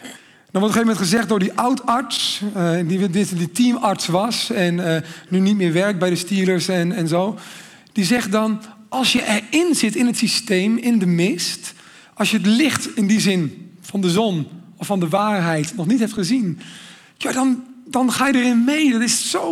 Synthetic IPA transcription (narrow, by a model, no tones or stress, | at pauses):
dɔnʋɔtɔxejvəmɛntχəzɛχt̚dʊːɹdiʔawtɑɹtsdidɪsditimɑɹtsʋɑsɛnːynit̚mɪːɹʋɛrk̚bɛjdəstiːləɹsɛnɛnzow | d̥izɛχdɑnʔɑlˠsjəʔɛɹɪnzɪtɪnɦətsistejmɪndəmɪst | ɑlˠsjəətlɪχtɪndizɪnfɑndəzɔnɔfːɑndəʋaːɹɦɛjtnɔχnitɦɛp̚tχəzin | jaːdɑndɑnχaːjədərɪnmejdɑtɪssow